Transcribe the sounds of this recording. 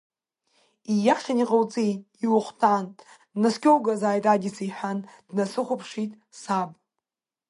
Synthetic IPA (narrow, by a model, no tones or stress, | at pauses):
ijaχʲaniqʼawt͡sʼi | iwʊχʷtʰanː | askʲʰowɡazaːjtʼadisijħʷand̥nasɨχʷʊpʰʂitʼ | sabʼ